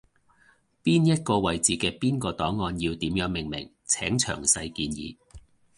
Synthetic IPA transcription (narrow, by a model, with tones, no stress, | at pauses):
piː˥njɐ˥t̚kɔː˧wɐ˨jt͡siː˨kɛː˧piː˥nkɔː˧t̪ɔː˨˥ŋːɔː˧njiː˧wt̪iː˨˥mjœː˨˥ŋmɪ˨˩ŋmɪ̰˨˩ŋ | t͡sʰɛ̰ː˨˥ŋt͡ʃʰœ̰ː˨˩ŋsɐ˧jkiː˧njḭː˨˧